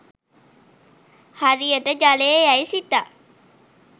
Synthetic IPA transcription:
haɾijəʈəd͡ʒaleɛisit̪ːa

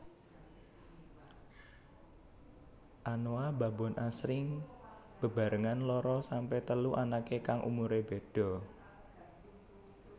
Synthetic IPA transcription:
ʔanoaba̤bɔ̤nʔasɾɪŋ | b̥ə̤ba̤ɾəŋanlɔɾɔsampɛt̪əluʔanakekaŋʔṵmuɾebe̤d̥ɔ̤

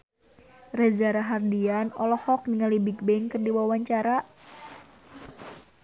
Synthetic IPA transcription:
rɛzaɾaɦardianɔlɔhɔk̚nəŋalibik̚bɛŋkɨrdiwawaɲt͡ʃaɾa

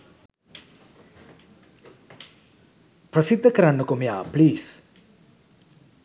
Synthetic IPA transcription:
pɾɐsid̪ʱːəkɐɾanːokomijapliːs

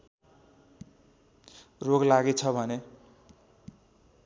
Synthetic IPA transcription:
roɡlaɡet͡sʰʌbʱʌne

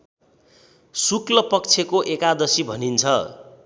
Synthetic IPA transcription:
suklʌpʌk̚t͡sʰekoʔekad̪ʌsibʱʌnint͡sʰʌ̰

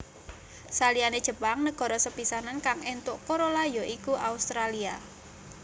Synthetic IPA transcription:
salianed̥ʒ̥ə̤paŋnəɡ̥ɔ̤ɾɔsəpisanankaŋent̪ʊʔkoɾolajɔʔikuʔaust̪ɾalia

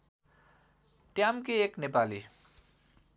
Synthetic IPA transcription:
ʈjamkeeːknepaːli

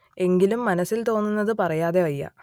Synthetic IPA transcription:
e̞ŋɡilumːɐnɐsːilt̪o̞ːnːunːɐðɨpɐrɐjaːðeʋɐjːɐ̰

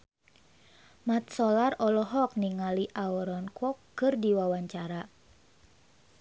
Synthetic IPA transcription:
mat̪̚sɔlarɔlɔɦɔk̚niŋaliʔaɔɾɔnkɔkːɨrdiwawaɲt͡ʃaɾa

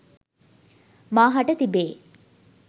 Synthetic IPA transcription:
maːɦaʈət̪ibeː

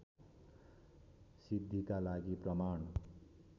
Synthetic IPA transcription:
sid̪ʱːikalaɡiprʌman

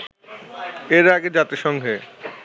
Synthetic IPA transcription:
eɾaɡed͡ʑat̪iʃɔŋɡʱe

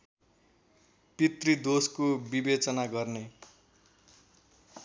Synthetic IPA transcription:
pit̪rid̪oskobibet͡sʌnaɡʌrne

